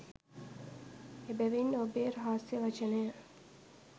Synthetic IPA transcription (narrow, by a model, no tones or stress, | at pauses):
ebæʋinːobeːɾaɦaːsjəʋat͡ʃənejə